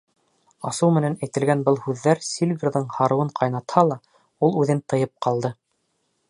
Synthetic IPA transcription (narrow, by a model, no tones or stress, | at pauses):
ɑsɤwmɘ̆nænæjt̪ɘ̆lɡænbɤlˠhʉðːæɾsʲilʲvʲirðɤɴhɑɾɤ̆wɤɴqʰɑjnɑt̪hɑlˠɑ | ulˠʉðɘnt̪ɤ̆jɤp̚qɑlˠd̪ɤ